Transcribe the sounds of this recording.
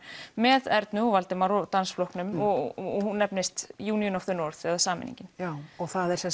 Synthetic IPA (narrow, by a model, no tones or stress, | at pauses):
mɛðɛɾt̪nʏɔvalt̪ɪmaɾɔt̪ansflɔhknʏmɔɔhunːɛpnɪst̪juːnijʏnɔfθʏnɔɾθɛðasaːmɪ̰nḭɲcɪnaːwɔɣθaðɛɾ̥sɛm